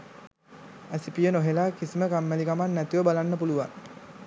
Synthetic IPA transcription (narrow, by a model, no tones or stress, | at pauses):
æsipijənoɦelaːkisiməkamːælikamanːæt̪iʋəbalanːəpuluʋa̰ŋ